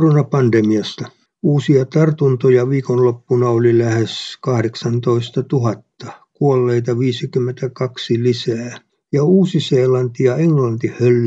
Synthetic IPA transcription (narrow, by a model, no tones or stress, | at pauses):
ronɑpɑndemiɑst̪ɑ | uːsiɑt̪ɑrt̪unt̪ojɑʋiːkonlopːunɑolilæheskɑhɾeksɑnt̪oist̪ɑt̪uhɑt̪ːɑkuolːeit̪ɑʋiːsikymːent̪ækɑksilisæː | jɑuːsiseːlɑnt̪ijɑeŋlɑnt̪ihølː